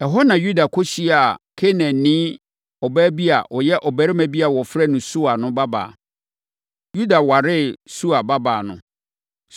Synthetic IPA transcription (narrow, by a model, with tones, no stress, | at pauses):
ɛ˨ɦɔ˦nã˨ju˦da˨kʰɔ˦ɕi˦a˨kʰe˦nɛ̃˨nĩː˦ | ɔ˨bæ˦bi˦a̰˨ʔɔ˨jɛ˦ʔɔ˨bæ˦ɾɪ˦mæ̃˨bi˦a˨wɔ˨fɾɛ˦˨nʊ̃˨su˦a˨nʊ̃˦ba˦ba̰ː˨ | ju˦da˨wa˨ɾɪ˦su˦a˨ba˦baː˨nʊ̰̃˨